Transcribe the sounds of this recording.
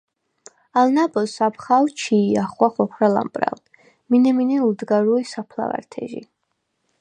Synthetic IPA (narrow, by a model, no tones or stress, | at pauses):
alnabɔsapχawt͡ʃʰiːaχwaχɔkʰɾala̰mpʼɾa̰l | minɛminɛuld̪ɡaɾuisapʰla̰va̰ɾt̪ʰɛ̰ʒḭ